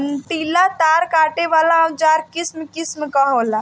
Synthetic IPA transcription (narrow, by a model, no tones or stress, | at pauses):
nʈiːlat̪aːɾkaːʈeʋaːlaɔd͡ʒaːɾkɪsmkɪsmkaɦoːlaː